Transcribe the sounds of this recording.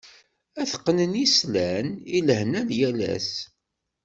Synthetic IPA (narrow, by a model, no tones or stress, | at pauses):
æθəqːnənislæniləhnænjælæ̰s